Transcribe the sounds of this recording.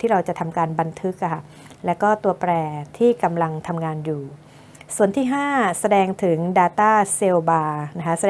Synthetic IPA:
t̪ʰiː˥˩ɾa˧wt͡ɕa˨˩t̪ʰa˧mkaː˧nba˧nt̪ʰɯ˦˥k̚ːʰa˥˩ | lɛ˦˥wkɔː˥˩t̪u˧ɐpɾɛː˧t̪ʰiː˥˩ka˧mla˧ŋt̪ʰa˧mŋaː˧njuː˨˩ | su˨˩ənt̪ʰiː˥˩ɦaː˥˩sa˧dɛː˧ŋt̪ʰɯ˩˦ŋdaː˧t̪aː˥˩se˧wbaː˧na˦˥kʰa˦˥sa˧

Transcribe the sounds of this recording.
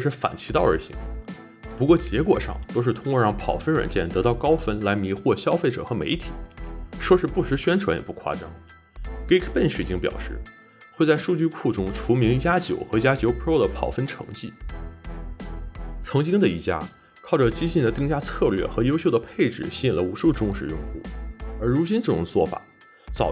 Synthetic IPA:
ʈ͡ʂɤ˥˧ʂɻ̩˥˩fa̰˨˩nt͡ɕʰi˧˥t̪ɑ˥˩ʊə˞˧˥ɕḭ˧˥ŋ | pu˧˥kwɔ˥˩t͡ɕjɛ˧˥kwɔ̰˨˩ʂɑ̰˥˧˩ŋt̪o˥ʊʂɻ̩˥˩t̪ʰʊ˥ŋkwɔ˥˧ɻɑ˥˩ŋpʰɑ˨˩ʊfə˥nɻə̰˧˥nt͡ɕjɛ˥˩nt̪ɤ˧˥t̪ɑ˥˩ʊkɑ˥ʊfə˥nla˧˥ɪmi˧˥xwɔ˥˩ɕjɑ˥ʊfe˥˩ʈ͡ʂɤ̰˨˩xɤ˧˥mḛ˧˥ɪt̪ʰi̥̰˨˩˦ʂwɔ˥˧ʂɻ̩˥˧pu˥˩ʂɻ̩˧˥ɕɥɛ˥nʈ͡ʂʰwa˧˥njɛ̰˨˩pu˥˩kʰwa̰˥ʈ͡ʂɑ˥ŋ | ke˥kʰpə˥˩nɕɛ˨˩t͡ɕi˥ŋpjɑ˨˩ʊʂɻ̩˥˩ | xwe˥˧ɪt͡sa˥˧ɪʂu˥˧t͡ɕy˥˧kʰu˥˩ʈ͡ʂʊ˥ŋʈ͡ʂʰu˧˥mi˧˥ŋi˧˥t͡ɕja˥t͡ɕjo˨˩ʊxɤ˧˥i˧˩t͡ɕja˥t͡ɕjo˧˥ʊpʰo˥ʊd̪ə˩pʰɑ˨˩ʊfə˥nʈ͡ʂʰɤ̰˧˥ŋt͡ɕi˥˩ | t͡sʰɤ˧˥ŋt͡ɕi˥ŋd̪ə˨i˥˩t͡ɕja̰˥ | kʰɑ˥˩ʊʈ͡ʂə˩t͡ɕi˥ɕi˥˩nd̪ə˩t̪i˥˧ŋt͡ɕja˥t͡sʰɤ˥˧lɥɛ̰˥˩xɤ˧˥jo˥ʊɕjo˥˩ʊd̪ə˩pʰe˥˩ɪʈ͡ʂɻ̩˨˩ɕi˧˥i˨˩nlə˦u˧˥ʂu˥˩ʈ͡ʂʊ˥ŋʂɻ̩˥˩jʊ˥˧ŋxṵ˥˩ə˞˧˥ɻu˧˥t͡ɕi˥nʈ͡ʂɤ˥˩ʈ͡ʂʊ̰˨˩ŋt͡swɔ̰˥˩fa̰˨˩˦ | t͡sɑ̰˨˩ʊ

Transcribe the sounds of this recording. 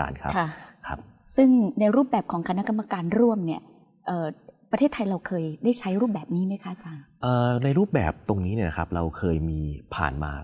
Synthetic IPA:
a̰ː˧nkʰa˦˥kʰkʰa̰˦˥p̚ | sɯ˥˩ŋna˧jɾuː˥˩p̚bɛː˨˩p̚kʰɔː˩˦ŋkʰa˧na˦˥ka˧mːa˧kaː˧nɾu˥˩əmni˥˩ɐ | ʔɤː˨˩pɾa˧t̪ʰeː˥˩t̪ʰːa˧jɾa˧wkʰɤː˧jdaː˥˩jt͡ɕʰa˦˥jɾu˥˩p̚bɛː˨˩p̚niː˦˥ma˦˥jkʰa˦˥ʔa˨˧t͡ɕaː˧nʔəː˨˩na˧jɾuː˥˩p̚bɛː˨˩p̚t̪o˧ŋniː˦˥ni˥˩ɐna˧kʰa˦˥p̚ɾa˧wkʰɤː˧jmiː˧pʰa̰ː˨˩nma̰ː˧

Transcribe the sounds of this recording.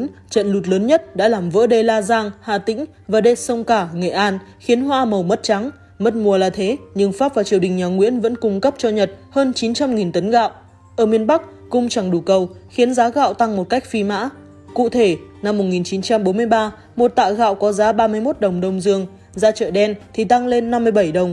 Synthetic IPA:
nt͡ɕə̰˧˨nlu˨˩t̬̚ləː˨˦nɲə˦˥t̚ɗa̰ː˧˥laː˨˩mvə̰ː˧˥ɗə˧˩laː˧zaː˧ŋhaː˨˩t̪ï˧˥ŋ̟ | vaː˨˩ɗe˨˩sə˧wŋ͡mkaː˧˩ŋḛ˧˨˩ʔaː˧nxi˨˦ənɦwaː˧mə˨˩wmə˦˥t̚t͡ɕa˨˦ŋ | mə˦˥t̚mu˨˩əlaː˨˩t̪ʰe˨˦ɲɨ˧ŋfaː˦˥p̚vaː˨˩t͡ɕi˨˩əwɗï˨˩ŋ̟ɲaː˨˩ŋwḭ˧˥ənvə̰˧˥nkʊ˧ŋ͡mkə˦˥p̚t͡ɕɔ˧ɲə˨˩t̚həː˧nt͡ɕi˨˦nt͡ɕa˧mŋi˨˩nt̪ə˨˦nɣa̰ː˧˨w | ʔəː˧˩mi˧ənɓa˦˥k̚ | kʊ˧ŋ͡mt͡ɕa˨˩ŋɗu˨˩kə˧wxi˨˦ənzaː˨˦ɣa̰ː˧˨wt̪a˧ŋmo˨˩t̚ka˦˥jk̟̚fi˧ma̰ː˧˥ | kṵ˧˨t̪ʰe˧˩na˧mː˨˩t̚ŋi˨˩nt͡ɕi˨˦nt͡ɕa˧mɓo˨˦nmɨ˧əjɓaː˧ | mo˨˩t̚t̪a̰ː˧˨wɣa̰ː˧˨wkɔ˨˦zaː˨˦ɓaː˧mɨ˧əjmo˦˥t̚ɗə˨˩wŋ͡mɗə˧wŋ͡mzɨ˧əŋ | zaː˧t͡ɕə̰ː˧˨ɗɛ˧nt̪ʰi˨˩t̪a˧ŋle˧nː˧mːɨ˧əjɓə˧˩jɗə˨˩wŋ͡m

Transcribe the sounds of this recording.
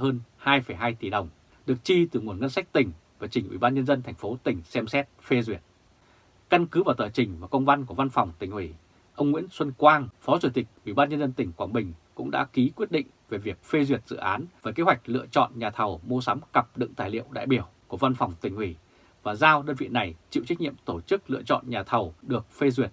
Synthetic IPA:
həː˧nhaː˧jfə˧˩jɦaː˧jt̪i˧˩ɗə˨˩wŋ͡m | ɗɨ˨˩ək̚t͡ɕi˧t̪ɨ˨˩ŋu˨˩ənŋə˧nsa˦˥jk̚t̪ï˨˩ŋ̟ | vaː˨˩t͡ɕï˨˩ŋ̟ʔwḭ˧˩ɓaː˧nɲə˧nzə˧nt̪ʰɛ˨˩ŋ̟fo˨˦t̪ï˨˩ŋ̟sɛ˧msɛ˦˥t̚fe˧zwi˨˩ət̚ | ka˧nkɨ˨˦vaː˨˩t̪əː˨˩jt͡ɕï˨˩ŋ̟vaː˨˩kə˧wŋ͡mva˧nku˧˩əva˧nfa˨˩wŋ͡mt̪ï˨˩ŋ̟hwi˧˩ | ʔə˧wŋ͡mŋwḭ˧˥ənswə˧nkwaː˧ŋfɔ˨˦t͡ɕu˧˩t̪ï˨˩k̟̚ʔwḭ˧˩ɓaː˧nɲə˧nzə˧nt̪ï˨˩ŋ̟kwaː˧˩nɓï˨˩ŋ̟kʊ̰˧˥ŋ͡mɗa̰ː˧˥ki˨˦kwi˦˥ət̚ɗḭ̈˧˨ŋ̟ve˨˩vi˨˩ək̚fe˧zwi˨˩ət̚zɨ̰˧˨ʔaː˨˦nveː˨˦jke˨˦ɦwa˨˩jk̟̚lɨ̰˧˨ət͡ɕɔ̰˧˨nɲaː˨˩t̪ʰə˨˩wmo˧sa˨˦mkə˨˩p̚ɗɨ̰˧˨ŋt̪aː˧˩jlḭ˧˨əwɗa̰ː˧˨jɓi˧˩əwku˧˩əva˧nfa˨˩wŋ͡mt̪ï˨˩ŋ̟hwi˧˩ | vaː˨˩zaː˧wɗəː˧nvḭ˧˨na˨˩jt͡ɕḭ˧˨wt͡ɕa˦˥k̚ɲḭ˧˨əmt̪o˧˩t͡ɕɨ˦˥k̚lɨ̰˧ət͡ɕɔ̰˧˨nɲaː˨˩t̪ʰə˨˩wɗɨ˨˩ək̚fe˧zwi˨˩ət̚

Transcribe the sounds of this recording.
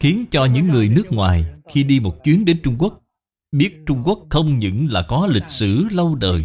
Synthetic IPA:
xi˨˦ənt͡ɕɔ˧ɲɨ̰˧˥ŋːɨ˨˩əjnɨ˦˥ək̚ŋwaː˨˩jxi˧ɗi˧mo˨˩t̚t͡ɕwi˨˦ənɗe˨˦nt͡ɕʊ˧ŋ͡mku˦˥ək̚ | ɓi˦˥ət̚t͡ɕʊ˧ŋ͡mku˦˥ək̚xə˧wŋ͡mɲɨ̰˧˨ŋlaː˨˩kɔ˨˦lï˨˩k̟̚sɨ̰˧˩lə˧wɗəː˨˩j

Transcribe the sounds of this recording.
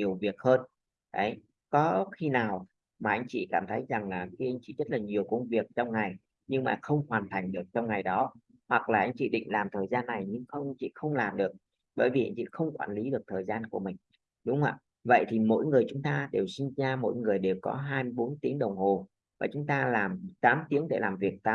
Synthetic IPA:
ɲi˨˩əwvi˨˩ək̚həː˧n | ɗə˨˦j | kɔ˨˦xi˧naː˨˩w | maː˨˩ʔa˧jŋ̟t͡ɕḭ˧˨kaː˧˩mt̪ʰə˨˦jza˨˩ŋlaː˨˩xi˧ʔa˧jŋ̟t͡ɕḭ˧˨zə˦˥t̚laː˨˩ɲi˨˩əwkə˧wŋ͡mvi˨˩ək̚t͡ɕɔ˧wŋ͡mŋa˨˩j | ɲɨ˧ŋmaː˨˩xə˧wŋ͡mxwaː˨˩nt̪ʰa˨˩jŋ̟ɗɨ˨˩ək̚t͡ɕɔ˧wŋ͡mŋa˨˩jɗɔ˨˦ | hwa˨˩k̚laː˨˩ʔa˧ŋ̟t͡ɕḭ˧˨ɗḭ˧˨ŋ̟laː˨˩mt̪ʰəː˨˩jzaː˧nːa˨˩jɲɨ˧ŋxə˧wŋ͡mt͡ɕḭ˧˨xə˧wŋ͡mlaː˨˩mɗɨ˨˩ək̚ | ɓəː˧˩jvi˨˩ʔa˧jŋ̟t͡ɕḭ˧˨xə˧wŋ͡mkwaː˧˩nli˨˦ɗɨ˨˩ək̚t̪ʰəː˨˩jzaː˧nku˧˩əmï˨˩ŋ̟ | ɗʊ˨˦ŋ͡mʔa̰ː˧˨ | və̰˧˨jt̪ʰi˨˩mo̰˧˥jŋɨ˨˩əjt͡ɕʊ˨˦ŋ͡mt̪aː˧ɗe˨˩wsi˧ŋ̟zaː˧mo̰˧˥jŋɨ˨˩əjɗe˨˩wkɔ̰˨˦ɦaː˧jmɨ˧ɓo˨˦nt̪i˨˦əŋɗə˨˩wŋ͡mho˨˩ | vaː˨˩t͡ɕʊ˨˦ŋ͡mt̪aː˧laː˨˩mt̪aː˨˦mt̪i˨˦əŋɗe˧˩laː˨˩mvi˨˩ək̚t̪a˨˦

